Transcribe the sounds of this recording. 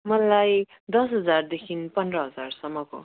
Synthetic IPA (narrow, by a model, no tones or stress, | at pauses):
mʌlaj | d̪ʌsɦʌd͡zard̪ekʰinpʌndrʌɦʌd͡zarsʌmːʌko̰